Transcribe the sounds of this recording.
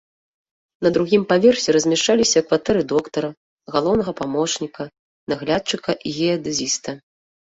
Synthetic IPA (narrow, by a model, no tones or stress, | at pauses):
nɐd̪ɾuɣʲimpavʲɛrsʲɛɾɐzʲmʲɛʂt͡ʂalʲisʲɐkvat̪ɛɾɨd̪ɔkt̪ɐɾɐ | ɣalˠɔwnɐɣɐpamɔt͡ʂnʲikɐ | naɣlʲat̪̚t͡ʂɨkɐʔiɣʲɛɐd̪ɨzʲist̪ɐ